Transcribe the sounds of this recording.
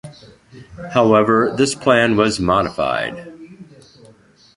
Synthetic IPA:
haʊɛvə˞ðɪspʰl̥æ̃nwʌzmɑɾəfa̰ɪd̥

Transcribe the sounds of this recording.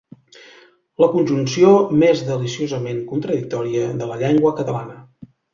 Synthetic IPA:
ləkunʲʒunsiomezðəlisiozəmeŋkunt̪ɾəðik̚t̪ɔɾiəðələʎeŋɡwəkət̪əlanə

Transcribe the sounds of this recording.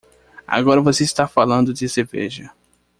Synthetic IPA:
a̰ɡɔɾɐvoseist̪afalɐ̃nd̪ʊd͡ʒ̪ɪsebḛʒɐ

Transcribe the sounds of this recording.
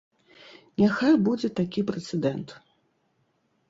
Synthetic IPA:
nʲaxajbud͡zʲɛt̪akʲipɾɛt̪sɛd̪ɛnt̪

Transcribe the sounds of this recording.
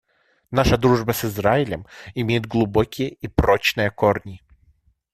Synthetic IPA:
naʂəd̪ɾuʐbəsɨzraɪlʲə̰mɪmʲejɪd̪̚ɡlˠʊbokʲɪjəipɾot͡ɕnɨjəkornʲɪ

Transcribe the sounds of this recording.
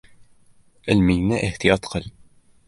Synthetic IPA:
əlmijnæʔihθjɑt̪ˤqəl

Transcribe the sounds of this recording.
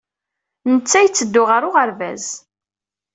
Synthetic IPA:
nət͡sːæjət͡sːəd̪ːʊʁəɾʊʁəɾvæz

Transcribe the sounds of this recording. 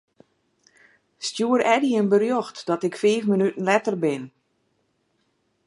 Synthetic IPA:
stjuəɾɛdiənbərjoxtdɔtɪkfeːfmənytən̩lɛtərbɪn

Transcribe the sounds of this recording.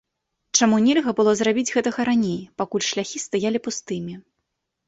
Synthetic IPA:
t͡ʂamunʲelʲɣɐbɨlˠɔzrabʲid͡zʲɣɛt̪ɐɣɐɾanʲejpakulʲʂlʲaxʲist̪ajalʲipust̪ɨmʲi

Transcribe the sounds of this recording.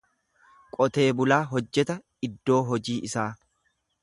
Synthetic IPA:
kʼɔt̪e̞ːbʊlaːɦɔd͡ʒːɛt̪ɐ | ɪd̪ːo̞ːɦɔd͡ʒiːʔɪsaː

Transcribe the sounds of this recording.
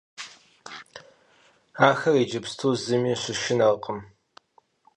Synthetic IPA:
aːxɐrid͡ʒɪpstʰuːzɨmiːɕɪʃɪnɐrqʰʼəm

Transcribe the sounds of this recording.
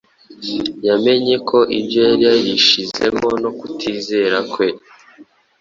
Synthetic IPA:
jame̞ɲe̞kʰo̞ʔḭbjojaɾijajiʃize̞̰mo̞no̞kutʰiːze̞ɾakwe̞

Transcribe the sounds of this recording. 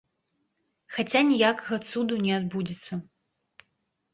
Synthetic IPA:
xat͡sʲanʲijakɐɣɐt̪sud̪unʲɛad̪̚bud͡zʲɛt̪sːɐ

